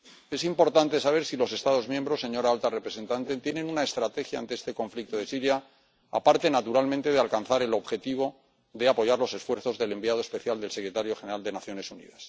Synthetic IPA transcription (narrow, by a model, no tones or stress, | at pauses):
e̞simpo̞ɾt̪ant̪e̞saβ̞eɾsilo̞se̞st̪að̞o̞zmje̞mbɾo̞sːe̞ɲo̞ɾaalt̪arepɾe̞se̞nt̪ant̪e̞t̪je̞nẽ̞nunae̞st̪ɾat̪e̞xjaa̰nt̪e̞est̪eko̞ɱflik̚t̪oð̞e̞siɾja | a̰paɾt̪e̞nat̪uɾalmẽnt̪e̞ð̞ealkanθaɾe̞lo̞βxe̞t̪iβ̞o̞ | ðe̞apo̞ʝaɾlo̞se̞sfwe̞ɾθo̞zðe̞le̞mbiað̞oe̞spe̞θjald̪e̞lse̞kɾe̞t̪aɾjo̞xe̞ne̞ɾald̪e̞naθjo̞ne̞sunḭðas